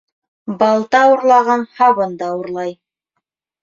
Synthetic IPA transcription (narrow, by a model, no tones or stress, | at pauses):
bɑlˠt̪ɑuɾlˠɑʁɑnhɑβɤnd̪ɑuɾlˠɑj